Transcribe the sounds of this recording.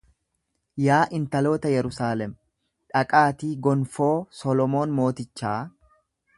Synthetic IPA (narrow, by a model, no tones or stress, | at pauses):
jaːʔɪnt̪ɐlo̞ːt̪ɐjɛɾʊsaːlɛm | ᶑɐkʼaːt̪iːɡɔnfo̞ːsɔlɔmo̞ːnmo̞ːt̪ɪt͡ʃːaː